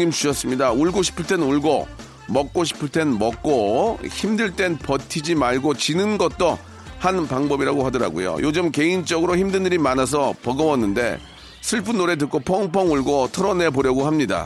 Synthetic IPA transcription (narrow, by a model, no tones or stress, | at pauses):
imt͡ɕʰiʌs͈ɯmɲidauɭɡoɕʰi̥pʰɯɭt͈e̞nuɭɡo | mʌk̚k͈oɕʰi̥pʰɯɭt͈e̞nmʌk̚k͈oçimdɯɭt͈e̞npʌtʰid͡ʑimaɭɡot͡ɕinɯnɡʌt̚t͈o | hanpaŋbʌbiɾaɡohadʌɾa̰ɡo̰jo̰jod͡ʑɯmke̞int͡ɕ͈ʌɡɯɾoçimdɯndɯɾimanas̬ʰʌpʌɡʌmʌnːɯnde̞̰ | sʰɯɭpʰunːoɾe̞t̬ɯk͈opʰʌŋpʰʌŋuɭɡotʰʌɾʌne̞poɾjʌɡoɦamɲida̰